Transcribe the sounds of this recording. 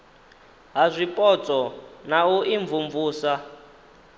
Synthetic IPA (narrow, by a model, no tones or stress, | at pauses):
ɦazʷipʼɔt͡sʼɔnauʔiɱvuɱvuːsa